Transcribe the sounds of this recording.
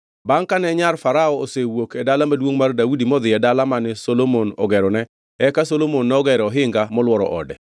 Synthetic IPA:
baŋkanɛɲarfaɾaɔosewokɛdalamadwoŋmardawudimɔd̪ɪɛdalamanɛsolomonɔ̰ɡɛɾɔnɛ | ɛkasolomonːɛɔɡɛɾɔɦɪŋɡamɔlwɔɾɔ̰ʔɔ̰dɛ

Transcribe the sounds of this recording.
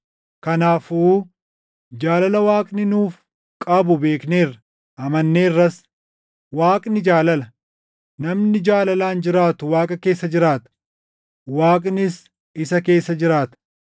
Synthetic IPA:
kɐnaːfuː | d͡ʒaːlɐlɐwaːkʼnɪnuːf | kʼɐbʊbe̞ːkne̞ːrɐ | ʔɐmɐnːeːrːɐs | waːkʼnɪd͡ʒaːlɐlɐ | nɐmnɪd͡ʒaːlɐlaːnd͡ʒɪɾaːt̪ʊwaːkʼɐke̞ːsːɐd͡ʒɪɾaːt̪ɐ̥ | waːkʼnɪs | ɪsɐke̞ːsːɐd͡ʒɪɾaːt̪ɐ̥

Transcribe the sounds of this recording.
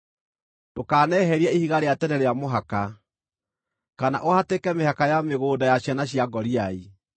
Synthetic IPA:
dokaːnɛɦɛɾiɛihiɣaɾeatɛnɛɾeamoɦaka | kana̰ʔohatekɛmehakajameɣoːdajaɕanaɕjaɡɔɾiai

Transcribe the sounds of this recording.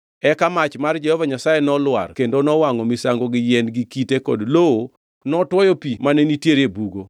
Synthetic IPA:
ɛkamat͡ʃmard͡ʒɛhɔvaɲasajenɔlwa̰rkendonɔwaŋɔmisaŋɡoɡɪjɛnɡikitekɔ̰dloo | nɔtwɔjɔpimanenitjeɾebuɡo

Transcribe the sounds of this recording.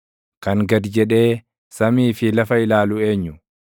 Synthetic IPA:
kɐŋɡɐd̪d͡ʒɛᶑe̞ː | sɐmiːfɪlɐfɐɪlaːlʊe̞ːɲːʊ

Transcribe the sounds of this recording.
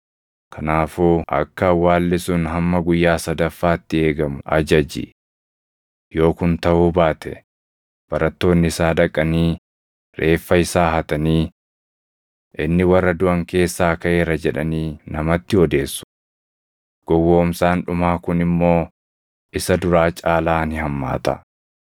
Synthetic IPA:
kʰɐnaːfuːʔɐ̰kːɐwaːlːɪsʊnɦɐmːɐɡʊjːaːsɐd̪ɐfːaːt̪ːɪe̞ːɡɐmʊʔɐ̰d͡ʒɐd͡ʒḭ | jo̞ːkʊnt̪ɐʔuːbaːt̪ʰɛ̰ | b̥ɐɾɐt̪ːo̞ːnːɪɪsaːᶑɐkʼːɐniː | ɾe̞ːfːɐɪsaːɦɐt̪ɐniː | ʔɪnːɪwɐrːɐd̪ʊʔɐŋke̞ːsːaːkɐʔeːɾɐd͡ʒɛᶑɐ̰niːnɐmɐt̪ːɪɔd̪e̞ːsːʊ̥ | ɡ̥ɔwːoːmsaːnᶑʊmaːkʊnɪmːo̞ː | ɪsɐd̪ʊɾaːt͡ʃʼaːlaːnɪɦɐmːa̰ːt̪ɐ̰

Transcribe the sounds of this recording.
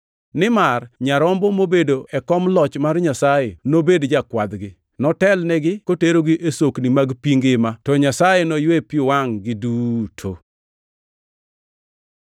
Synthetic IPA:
nɪmarɲaɾɔmbɔmobedoʔɛkɔmlɔt͡ʃmarɲasajenobedd͡ʒakwad̪ɡɪ | nɔtɛlnɛɡɪkoteɾoɡɪʔesoknimaɡpiŋɡɪmatɔɲasajenojwepiwaŋɡɪduːtʰo̰

